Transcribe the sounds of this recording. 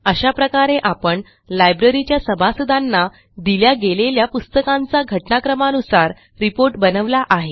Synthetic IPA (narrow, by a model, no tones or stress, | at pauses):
əɕapɾəkaɾeʔapəɳ | lajbɾəɾit͡ɕjasəbʱasud̪ʱanːa | d̪iljaɡeleljapust̪əkãnt͡saɡʱəʈnakɾəmanusaɾ | ɾipoɾʈbənəʋlaʔaɦe